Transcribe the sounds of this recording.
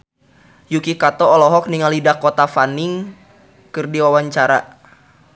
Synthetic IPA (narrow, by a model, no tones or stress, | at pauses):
jukikat̪ɔːlɔɦɔk̚niŋalidahkot̪afaniŋ | kɨrdiwawaɲt͡ʃaɾa̰